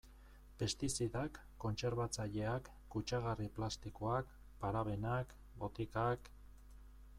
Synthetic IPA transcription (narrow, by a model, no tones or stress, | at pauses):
pe̞st̪isiðakːo̞nt͡se̞ɾβat͡saʎe̞akːut͡ʃaɣariplast̪ikoak | paɾaβe̞nak | bo̞t̪ikak